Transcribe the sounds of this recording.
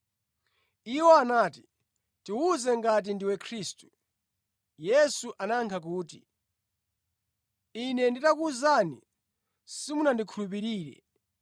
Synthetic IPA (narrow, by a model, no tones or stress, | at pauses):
iwɔanaːti̥ | tiwuzɛŋɡat̬indiwɛkʰɾistu̥ | jɛsuʔanaŋkʰak̬uːti | inɛnditakuzanḭ | simunandikʰulup̬iɾiːɾɛ̰